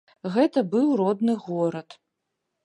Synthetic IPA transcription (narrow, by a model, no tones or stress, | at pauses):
ɣɛt̪ʰɐbɨwrɔd̪nɨɣɔɾɐt̪